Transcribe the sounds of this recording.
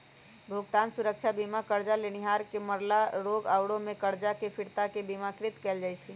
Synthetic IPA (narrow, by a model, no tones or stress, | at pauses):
bʱuɡt̪ansuɾək̚t͡ʃʰabimakəɾd͡ʒaleniɦaɾkeməɾlaɾoɡawɽõmekəɾd͡ʒakepʰiɾt̪akebimakɾit̪kɛld͡ʒajt͡ʃʰɛ